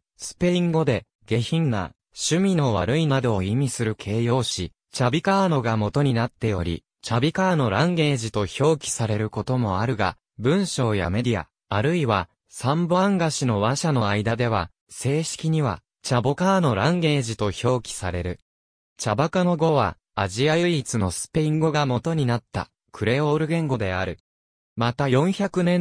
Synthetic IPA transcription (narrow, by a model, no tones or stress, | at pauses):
sɨ̥pe̞ĩŋɡo̞d̪e̞ | ɡe̞çĩŋːa̰ | ɕɨmʲino̞βa̰ɾɯ̟inad̪o̞ːimʲisɨɾɯ̟kʰe̞ːjo̞ːɕi | t͡ɕabʲikaːno̞ɡamo̞t̪o̞ɲ̟inat̪ːe̞o̞ɾʲḭ | t͡ɕabʲikaːno̞ɾãŋɡe̞ːʑit̪o̞ço̞ːkʲi̥saɾe̞ɾɯ̟ko̞t̪o̞mo̞aɾɯ̟ɡa̰ | bɯ̟̃ɰ̃ɕo̞ːja̰me̞d̪ʲia̰ | aɾɯ̟iβa | sãmboãŋɡaɕino̞βaɕano̞aid̪ad̪e̞βa | se̞ːɕi̥kʲiɲ̟iβa̰ | t͡ɕabo̞kaːno̞ɾãŋɡe̞ːʑit̪o̞ço̞ːkʲi̥saɾe̞ɾɯ̟ | t͡ɕabakano̞ɡo̞βa̰ː | ʑiajɯ̟it͡sɨno̞sɨ̥pe̞ĩŋɡo̞ɡamo̞t̪o̞ɲ̟inat̪ːa̰ | kʰɯ̟ɾe̞ːo̞ːɾɯ̟ɡẽ̞ŋɡo̞d̪e̞aɾɯ̟ | mat̪ajõ̞ɰ̃çakɯ̟nẽ̞